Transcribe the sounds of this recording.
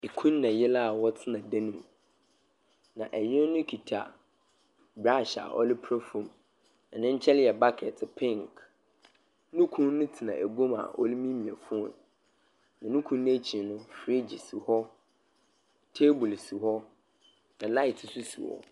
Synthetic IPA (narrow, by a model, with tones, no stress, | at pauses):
i˨kʰũ˦nː˦ã˨jɛ˦la˦a˨wɔ˦tʰɪ˦nã˨dã˦nũ˨m | nã̰˨ʔɛ˨jɪ˦nʊ̃˦kʰi˨tʰa̰˨ | bɾa˦˨ɕa̰˨ʔɔ̰˦lɪ˦pʰɾɔ˦fõ˨m | nã˨nɪ̃˦ɲ̩˦t͡ɕʰɛ˦lɪ˦jɛ˨ba˦kʰɛ˨tʰpʰɪ̃˦˨ŋk | nũ˦kʰũ˦nnʊ̃˦tʰɪ˨nã̰˨ʔæ˨ɡõ˦ma̰˨ʔɔ̰˦li˦mĩ˦mĩ˨a̰˨fʊ˦ɔ̰̃˨n | nã˨nũ˦kʰũ˦nñ˦æ˦t͡ɕʰĩ˨˦nʊ̃˦fɾi˦d͡ʑɪ˨su˨hɔ˦ | tʰe˦bʊ˨lsu˨hɔ˦ | nã˨la˦ɪ˨tʰɪ˨su˦sṵ˨ɔ̰˨